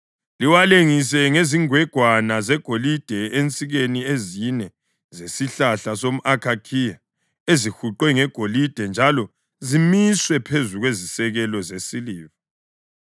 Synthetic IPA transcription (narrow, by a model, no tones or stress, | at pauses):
liwaleŋis̬ɛŋeziŋwɛɡ̥ʱwanazɛɡ̥ʱolid̥ʱɛʔent͡sʼiɣeniezinɛ | zesiɬaɬasom̩ʔakʰakʰija | ezixuǃwɛŋɛɡ̥ʱolid̥ʱɛnd͡ʒʱalɔ | zimiswɛpʰezuɣwezisɛɣɛlɔzesiliːvɔ